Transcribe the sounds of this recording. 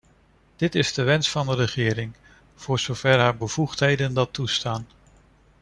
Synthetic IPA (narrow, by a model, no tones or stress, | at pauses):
d̥ɪtɪzdəʋɛnsfɑndəɾəχɪːɾɪŋ | v̥ʊːɹz̥owv̥ɛɹɦaːɹbəv̥uχtɦejdəndɑtːustaːn